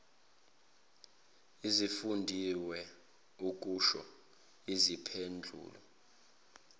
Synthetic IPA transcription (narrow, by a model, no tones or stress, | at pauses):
izifundʱiwɛ | uk̬ʼuʃɔ̰ | izipʰend͡ɮʱṵːlɔ